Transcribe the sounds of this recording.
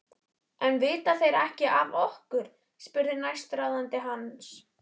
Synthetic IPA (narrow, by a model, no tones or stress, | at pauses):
ɛnvɪːt̪aθejɾɛhcɪʔavɔhkʏɾ̥ | spʏɾðɪnajst̪ɾawðant̪ɪɦans